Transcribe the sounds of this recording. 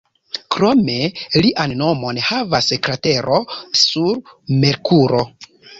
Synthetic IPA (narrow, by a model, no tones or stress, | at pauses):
kɾo̞me̞liʔanːo̞mo̞nhavasekɾate̞ɾʔo̞suɾme̞ɾkʰuɾo̞